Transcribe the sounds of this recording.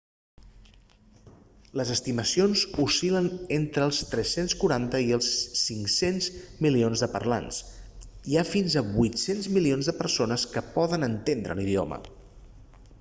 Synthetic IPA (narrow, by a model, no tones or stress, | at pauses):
ləzəst̪iməsionzusilənent̪ɾəːlˠst̪ɾɛsenskuɾant̪əiəlˠsːiŋsenzmilionzðəpə̰ɾla̰ns | iafinzəβujt̪senzmilionzðəpəɾsonəskəpɔðənənt̪end̪ɾʔə̰liðio̰mə̰